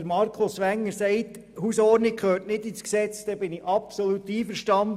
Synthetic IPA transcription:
əɾmɑɾkʰʊsʋæŋːəɾsɛɪt | husɔːɾnikχøːtnɪdisksɛt͡sd̥̪ɛbɪnɪʔɑpsolut̪iːfəɾʃtɑnd

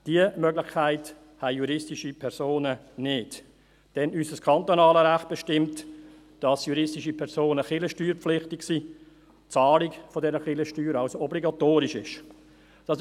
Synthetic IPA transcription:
d̥iəmœɡlɪχkʰaɪt | hæɪjuɾɪstiʃipʰɛɾsoːnənɪd | d̥ɛnysəskʰɑntonɑːləɾæχt̚b̥ɛʃtɪmt | d̥ɑsjuɾɪstiʃipʰɛɾsoːnəχɪləʃtyːɾpp͡flɪχtɪksiː | t͡sɑːlikfodɛɾəχɪləʃtyːɾɑaʊsoɔbliɡɑtoːɾɪʃɪʃ | d̥ɑs

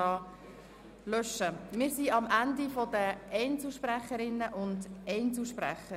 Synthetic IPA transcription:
ɑː | lœʃəmɪːɾsiɑmʔændifɔdəʔɛɪnt͡sl̩ʃpræχəɾɪnːəʔʊndɛɪnt͡sl̩ʃpɾæ̰χə

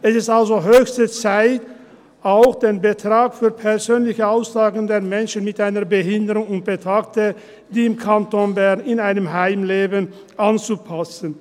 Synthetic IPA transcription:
ʔɛsɪstʔalzoɦøːçstət͡saɪt | ʔaʊxd̥eːnbətʁ̥aːkfyːɐpʰɛɐzøːnlɪçəaʊsz̥aːɡən̩deːɐmɛnʃən̩mɪtʔaɪnɐbəɦɪndəʁʊŋʊnt̚b̥ətaːk̚tə | d̥iːɪmkʰantonbɛɐnɪnaɪnəmɦaɪmleːbən | ʔant͡supʰasən

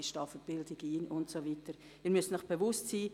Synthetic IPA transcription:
ɪʃtɑfəb̥ɪldɪɡ̥iːnʔʊntsoviːtəɾ | iːmʏstnɔχb̥evʊstsiː

